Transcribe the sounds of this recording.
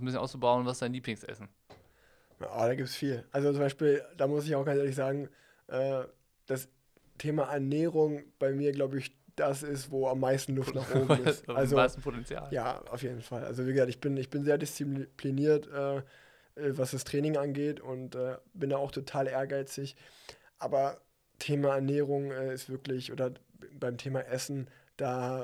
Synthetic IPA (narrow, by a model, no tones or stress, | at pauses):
sn̩bɪs̬jnaʊt͡subaʊnvasd̥aɪnliːplɪŋsʔɛ̰sn̩ | a̰ːd̥aːɡiːp̚tsfiːlʔalzot͡sʊmbaɪʃpiːld̥aːmʊs̬ɪçaʊxɡ̥ant͡sʔeːɐlɪçz̥aːɡŋ̩ | ʔɛː | d̥as | tʰeːmaʔɛɐneːʁʊŋb̥aɪmiːɐɡlaʊbəɪç | d̥as̬ɪstvoːamːaɪstn̩lʊfttnaːχʔoːbmmɪstalzoasn̩pʰotɛnt͡sja̰ːlja̰ːʔa̰ʊfjeːdn̩falʔa̰lzoviːɡəzaːk̚tɪçb̥ɪnɪçb̥ɪnzeːɐdɪst͡sipʰliniːɐtʔɛː | ʔɛːvasd̥astʁ̥ɛːnɪŋʔanɡeːtʰʊntʔɛːb̥ɪndaːaʊxtʰotʰaːlʔeːɐɡaɪt͡sɪç | ʔaːbɐ | tʰeːmaɛɐnɛːʁ̞ʊŋɛːɪstv̥ɪɐklɪçʔo̰ːdɐbaɪmtʰeːmaʔɛsn̩d̥aː